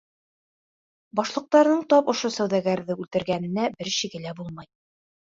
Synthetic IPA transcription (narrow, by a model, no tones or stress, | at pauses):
bɒʃlˠɤ̆q̚t̪ɑɾnɤɴt̪ɒpŏʃosæwðæɡæɾðɘʉlt̪ɘ̆ɾɡænɘ̆næbɘɾɕɘɡɘlæbulˠmɑj